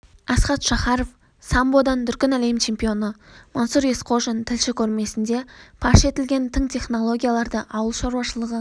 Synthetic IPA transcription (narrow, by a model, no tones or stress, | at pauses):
ɑsqɑt̪ʃɑχɑɾof | sɑmbo̞d̪ɑnd̪ʏɾkʲɪnælejmt͡ʃʰe̞mpijo̞nəmansuɾe̞sqʰo̞ʒent̪ʰɪlʃɪkʲʰɵɾme̞sɪnd̪e̞pʰɑʃe̞t̪ɪlɡʲe̞nt̪ʰɪŋt̪ʰʲe̞χno̞lˠo̞ɡʲijalˠɑɾd̪əʔɑwəlˠʃɑɾuwɑʃəlˠəʁə